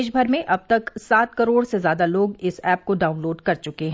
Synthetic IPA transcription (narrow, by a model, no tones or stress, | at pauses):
ʃbʱɐɾmẽʔɐb̚t̪ɐksaːt̪̚kɐɾoːɽsezjaːd̪aloːɡɪsɛːp̚koɖaːʊ̃nloːɖkɐɾt͡ʃʊkeɦɛ̃